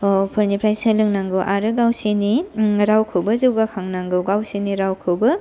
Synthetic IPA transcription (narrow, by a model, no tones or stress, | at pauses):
ɔpʰɯɾnipʰɾajsɐlɯŋnaŋɡɯwʔaɾɯɡawsiniɾawkʰɯwbɐzɯwɡakʰaŋnaŋɡɯwɡawsiniɾawkʰɯwbɐ